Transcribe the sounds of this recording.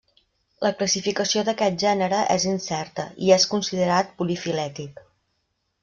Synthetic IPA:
ləkləsifikəsioðəkɛt̪̚ʒɛnəɾəʔɛ̰zinsɛrt̪əʔḭɛskunsiðəɾat̪̚pulifilɛt̪ik

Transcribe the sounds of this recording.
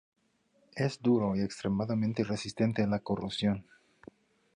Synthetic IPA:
ezd̪uɾoiekst̪ɾemaðamẽnt̪eresist̪e̞nt̪enlakorʔupsjo̞n

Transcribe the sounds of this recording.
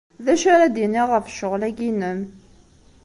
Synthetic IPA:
ðæʃaɾæd̪iniʁəfʃʊʁlæɡinəm

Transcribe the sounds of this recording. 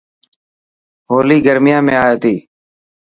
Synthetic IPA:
ɦoːliːɡəɾmɪjãːmẽːaːeːt̪iː

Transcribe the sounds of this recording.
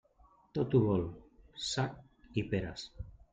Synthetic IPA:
t̪ot̪uβolsak̚ | ipeɾas

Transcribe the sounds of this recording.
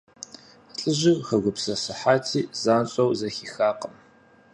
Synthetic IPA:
ɬʼɨʑɪχɐɡʷʊpsɐsɨħaːtʰiːzaːnɕʼɐwzɐxiːxaːqəm

